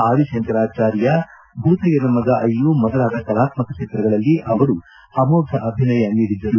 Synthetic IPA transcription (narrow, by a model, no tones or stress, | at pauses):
aːɾiʂent̪ɐɾaːt͡ʃaːɾjɐ | bʱut̪ɐɡenɐmːɐd̪ɐʔɐjːumɔd̪ɐɾaːd̪ɐkɐɾaːt̪mɐkɐʂeːt̪ɾɐɡɐɭɐlːiʔɐʋɐɾu | ɐmoːɡɐʔɐbʱinɐjɐniːɽid̪ːɐɾu